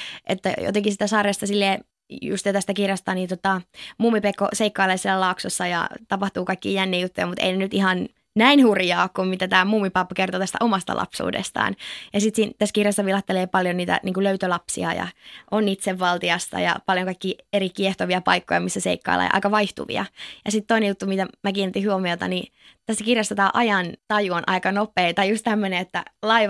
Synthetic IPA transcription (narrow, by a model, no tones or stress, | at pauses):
ʔet̪ːæ̰jo̰t̪eŋkisi̥t̪æsɑːrest̪ɑsilːeː | jṵst̪it̪æst̪ækirjɑst̪ɑːniːnt̪ot̪ɑmuːmːipekːo̰seikːɑːleːsielːælɑuksosːɑjɑ̰t̪ɑpɑht̪uːkɑikːiːjænːiːjut̪ːujɑmut̪ḛinenyt̪ihɑn | næinhurjɑːkkummit̪æt̪æːmuːmːipɑpːkert̪ot̪æst̪æ̰ʔomɑst̪ɑ̰lʔɑ̰psṵːdḛst̪ɑ̰ːnjɑsit̪siːnt̪æskirjɑsːɑʋilɑht̪ːeleːpɑljoniːt̪æ̰niːŋkuløyt̪ølɑpsḭɑ̰jɑ̰ʔonːit̪seʋːɑlt̪iɑst̪ɑ̰jɑ̰pɑljoŋkɑikːiːeɾikieht̪oʋiɑpɑ̰ikːojɑmisːæsḛikːɑ̰ilːʔɑ̰j̰ʔɑ̰kɑʋɑiht̪ṵʋḭɑ̰jɑsit̪t̪oinejut̪ːumit̪æmækiːnt̪ːihuomiot̪ɑ̰ni | t̪æst̪ːækirjɑst̪ɑt̪æːʔɑjɑnt̪ɑjuonʔɑ̰ikɑnopˑeːt̪ɑjjust̪æmːøneet̪ːæ̰lɑiʋ